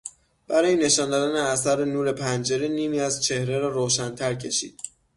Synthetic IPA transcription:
b̥æɾɒːjene̞ʃɒːnd̪ɒːd̪æneæsæɾenuːɾe̞pʰænd͡ʒe̞ɾeniːmiːæzt͡ʃʰe̞hɾeɾɒːɾoːʃænt̪ʰæɾcʰe̞ʃḭːd̪̥

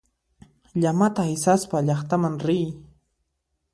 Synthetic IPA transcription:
ʎamat̪ahɪsaspaʎɑχt̪amaŋɾɪj

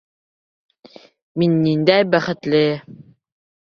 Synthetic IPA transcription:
minːind̪æjbæχɘ̆t̪lɘ

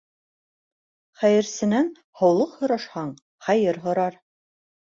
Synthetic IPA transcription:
χæjɘ̆ɾsɘ̆næn | hɑ̆wlˠɤqhŏɾɑʃhɑɴ | χæjɘɾɦŏɾɑɾ

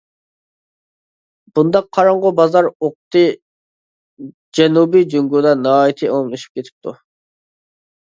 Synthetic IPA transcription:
b̥und̪ɑqʰːɑɾɑɴʁʊbɑzɑɾoqt̪ɨ | d͡ʒɛnubid͡ʒyŋɡud̪ɑnɑɑːjit̪ʰɨʔoŋlˠuʃu̥p̚kʲʰet̪ʰɪ̥p̚t̪ʰu

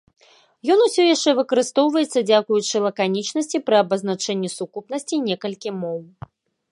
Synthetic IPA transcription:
jɔn̪usʲɔjaʂt͡ʂɛvɨkɐɾɨst̪ɔwvɐjɛt̪sːɐd͡zʲakujut͡ʂɨlˠɐkanʲit͡ʂn̪ɐsʲt͡sʲipɾɨɐbɐzn̪at͡ʂɛnʲːɛsukupnɐsʲt͡sʲinʲɛkɐlʲkʲimɔw

